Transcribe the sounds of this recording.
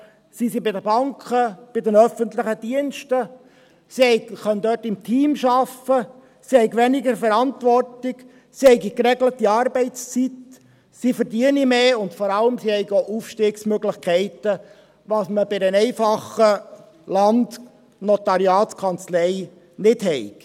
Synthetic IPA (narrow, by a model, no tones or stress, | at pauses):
sisibɪdəbɑŋkʰəb̥ɪdənœfənt̪ləχəd̥iənʃtə | sihɛɪkχœnd̥̪œːtɪmtʰiːmʃɑfə | sihɛɪɡʋɛnɪɡəɾfəɾɑntʋɔrtɪɡ | sihɛɪɡikɾɛɡlətːiɑːɾbɛɪst͡sit | sifəɾdiənimeːʊntfɔɾɑləmsihɛɪɡoʔufʃtɪːksmøɡlɪχkʰɛɪt̪ə | ʋɑːsməbɪdənɛɪfɑχə | lɑnd̪ | nɔt̪ɑɾiɑːtskʰɑnt͡slɛɪ | nɪdhɛɪk